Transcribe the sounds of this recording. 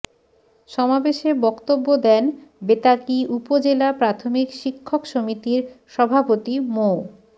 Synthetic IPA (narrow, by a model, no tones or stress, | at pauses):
ʃɔmabeʃeɾbɔkt̪obːod̪ɛnbet̪akiupod͡ʑelapɾat̪ʰomikʃikʰːokʃomit̪iɾʃɔbʱapot̪imo